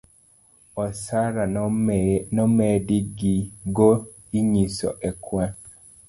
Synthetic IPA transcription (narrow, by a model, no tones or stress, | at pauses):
ɔsaɾa | nɔmɛdiɡiɡo | iɲisɔ̰ʔɛkwã